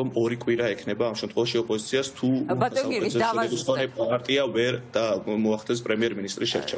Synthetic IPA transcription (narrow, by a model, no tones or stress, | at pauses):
ɔmɔɾikʼwiɾaɛkʰnɛbaːmʃɛmt̪ʰχwɛvaʃiɔpʼɔzit̪sʰiast̪ʰuaaɛzɛɛusanɛaɾt̪ʼiavɛɾd̪̥amɔaχt̪ʰɛs̬pʼɾɛmiɛɾminist̪ʼɾisʃɛ̰ɾt͡ʃʰɛ